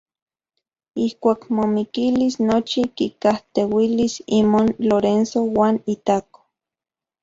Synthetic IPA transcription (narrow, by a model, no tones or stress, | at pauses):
ihkʷaːkmomikilisnot͡ʃikikaht̪ewilisimonloɾensowaːnit̪ako̥